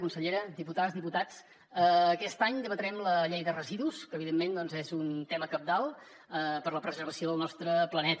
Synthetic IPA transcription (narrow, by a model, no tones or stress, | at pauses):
kunsəʎeɾəd̪iput̪azðiput̪at͡s | əːkɛst̪aɲd̪əβət̪əɾɛmləʎejðərəziðuskəːβiðemːend̪ɔnzɛzunt̪ɛməkəb̚d̪alˠ | əpəɾləpɾəzəɾβəsioðəlˠnɔst̪ɾəplənɛt̪